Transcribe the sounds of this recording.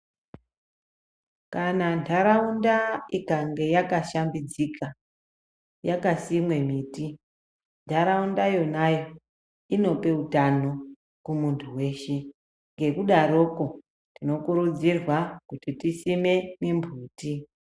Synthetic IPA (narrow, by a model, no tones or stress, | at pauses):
kanantʰaɾaundaikaŋɡe̞jakaʃambid͡zikʰa | jakasimwe̞miːti | ndʰʱaɾaundajo̞najo̞ | ino̞pe̞utano | kumuntʰuwe̞ːʃe | ŋɡe̞kuɗaɾo̞ko̞ | tino̞kuɾud͡zirwakutitisime̞nembʱuːti